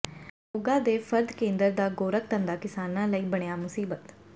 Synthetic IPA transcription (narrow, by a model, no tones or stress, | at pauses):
oːɡãːd̪eːpʰəɾd̪kẽːnd̪əɾd̪aːɡoːɾək̚t̪ə̃nd̪aːkɪsaːnãːləiːbəɽ̃ejaːmʊsiːbət̪